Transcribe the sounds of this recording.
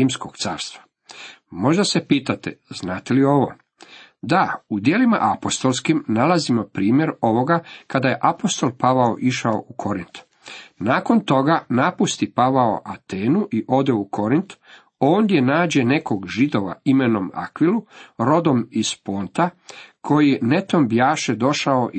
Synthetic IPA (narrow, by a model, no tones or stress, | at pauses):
imskoɡt̪sa̰ːɾst̪ʋa | mo̞ʒd̪ase̞piːt̪at̪ḛznaːt̪elio̞ʋo̞̰ | d̪aud̪jelima̰ʔapo̞st̪o̞lˠskimnalazimo̞pɾiːmje̞ɾo̞ʋo̞ɡakad̪aje̞ʔapo̞st̪o̞lˠpaʋaoʔiʃaoʔukʰo̞ɾint̪ | naːko̞nt̪o̞ɡanapust̪ipaʋao̰ʔat̪eːnuʔiʔo̞d̪eukʰo̞ɾint̪ | o̞ːnd̪je̞naːd͡ʑe̞ne̞koɡʒid̪o̞ʋa̰imenoma̰kʋiluɾo̞d̪o̞mispoːnt̪akʰo̞jinet̪o̞mbjaːʃed̪o̞ʃaoʔ